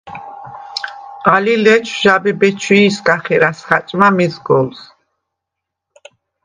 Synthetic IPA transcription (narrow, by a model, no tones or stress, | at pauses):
alilɛt͡ʃʰʒabɛbɛt͡ʃʰwiːsɡaχɛɾasχat͡ʃʼmamizɡɔls